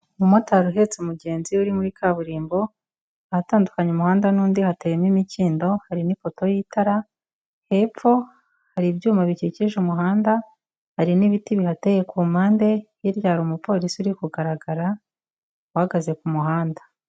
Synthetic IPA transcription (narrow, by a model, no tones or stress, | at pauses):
umotaɾuɦe̞t͡semuɟe̞ːnziuɾimuɾikʰaːβuɾiːmbo̞ | ahataːndukaɲemuhaːndanuːndihatejemimiciːndo̞haɾinifo̞to̞jitaɾa | he̞p͡fo̞ | haɾibjuːmaβiciciʒumuɦaːnda | haɾiniβitiβihateːjekuːmaːnde̞jiɾjaːɾumupo̞ːɾisiuɾikuɡaɾaɡaɾa | uhaɡaze̞kumuɦaːnda